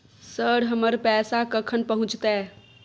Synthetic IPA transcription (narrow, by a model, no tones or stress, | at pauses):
səɽɦəməɾpɛsakəkʰənpəɦũt͡ʃt̪ɛ